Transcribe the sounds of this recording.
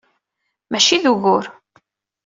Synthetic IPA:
mæʃiðuɣʊɾ

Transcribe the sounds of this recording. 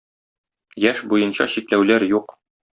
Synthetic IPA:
jæʃbujɤ̆nɕɑ̰ɕiklæwlæɾjuq

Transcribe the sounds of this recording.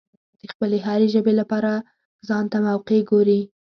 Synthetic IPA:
d̪əxpəleɦaɾeʒəbelapɑɾa | zɑnt̪amawqeɡoɾi

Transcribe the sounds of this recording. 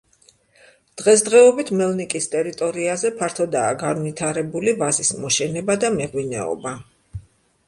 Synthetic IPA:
d̪̥ʁɛs̬d̪ʁɛɔbit̪ʰmɛlˠnikʼist̪ʼɛɾit̪ʼɔɾiazɛpʰaɾt̪ʰɔd̪aːɡanvit̪ʰaɾɛbulivazismɔʃɛnɛbad̪amɛʁwinɛ̰ɔ̰ba

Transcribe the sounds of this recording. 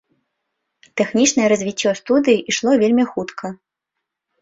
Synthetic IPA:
t̪ɛxnʲit͡ʂnɐjɛɾɐzʲvʲit͡sʲːɔst̪ud̪ɨjiʔiʂlˠɔvʲelʲmʲixut̪kʰɐ

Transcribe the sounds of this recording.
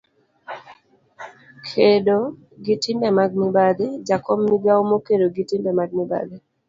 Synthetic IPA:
kʰedo | ɡitimbɛmaɡ̚nɪbaded͡ʒakʰɔmniɡawmokedoɡitimbɛmaɡ̚niba̰de

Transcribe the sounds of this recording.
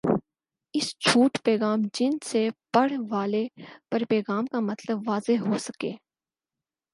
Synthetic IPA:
ɪst͡ʃʰuːʈpɛːɣaːmd͡ʒɪnsepɐɽ̤ʋaːlepɐɾpɛːɣaːmkamɐt̪ləbːaːzeɦosɐkḛː

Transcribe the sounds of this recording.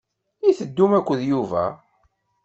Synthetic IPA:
jiθəd̪ːumækʷːəðjuvæ̰

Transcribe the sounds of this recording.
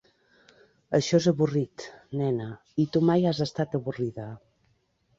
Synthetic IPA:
əʃɔzəβurit̪nɛnə | it̪umajazəst̪at̪əβuriðə

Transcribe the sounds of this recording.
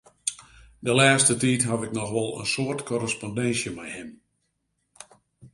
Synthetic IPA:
dəlaːstətiːtɦavɪknɔxʋɔlˠə̰nsoərtkɔrəspɔndɛnsjəmɛjhɪm

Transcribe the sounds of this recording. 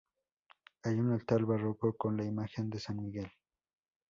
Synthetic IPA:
ajʊnalt̪albaɾokokonlaɪmaxend̪esaŋmɪɡel

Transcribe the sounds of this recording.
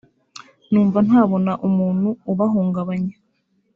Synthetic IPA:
nuːɱvan̥haːβo̞naʔumuːn̥huːβaɦuːŋɡaβaɲa

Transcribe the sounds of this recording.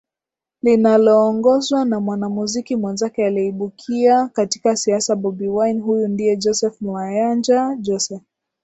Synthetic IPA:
linalɔːŋɡɔzwanamwanamuzikimwɛnzakɛaliiɓukʰiakati̥kasiasaɓɔbiwajnɦujundiɛd͡ʒɔsɛfnwajand͡ʒad͡ʒɔsɛf

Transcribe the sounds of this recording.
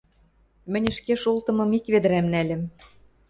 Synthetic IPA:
mɘ̆nʲɘ̆ʃkeʃult̪ɤ̆mɤ̆mikβed̪ɘ̆ɾæmnælʲɘ̆m

